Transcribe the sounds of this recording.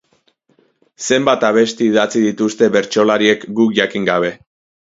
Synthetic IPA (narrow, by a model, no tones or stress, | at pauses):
se̞mbat̪aβ̞e̞st̪eiðat͡siðit̪ust̪e̞βe̞ɾt͡ʃo̞laɾie̞kɡukʝakiŋɡaβe̞